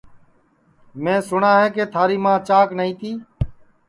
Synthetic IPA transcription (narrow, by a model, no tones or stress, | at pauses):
mẽːsʊɳãːɦeːkeːt̪ʰaːɾiːmãːt͡ʃaːknəĩːt̪iː